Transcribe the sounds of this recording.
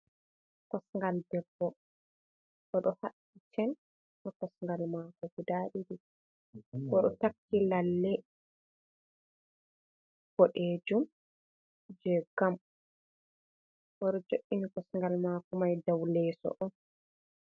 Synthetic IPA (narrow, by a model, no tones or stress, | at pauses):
kɔsŋɡaldɛbːɔ | ʔɔɗɔhaɗ | it͡ʃɛn | ʔɔkɔsŋɡalmaːkɔɡudaːɗiɗi | kɔɗɔtakːilalːɛ | b̥ɔɗeːd͡ʒum | d͡ʒɛɡam | ʔɔɗɔd͡ʒoʔːinikɔsŋɡalmaːkɔmajdawlɛːsɔ̰ʔɔn